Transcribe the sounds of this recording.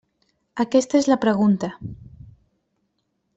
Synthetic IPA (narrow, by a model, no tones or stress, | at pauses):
akɛst̪aezlapɾəɣunt̪a